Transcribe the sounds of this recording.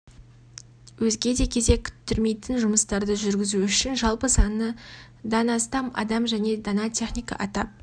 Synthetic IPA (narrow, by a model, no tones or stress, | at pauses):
wɵzɡʲe̞d̪e̞kʲʰe̞ze̞kʲʰʏ̥t̪ːʏɾme̞jt̪ɪnʒʊməst̪ɑɾd̪əʒʏɾɡʲɪzuʏʃɪnʒɑlˠpəsɑnə | d̪ɑnɑst̪ɑmɑ̰d̪ɑmʒæne̞d̪ɑnɑt̪ʲʰe̞χnʲijkɑ̰ʔɑt̪ɑp̚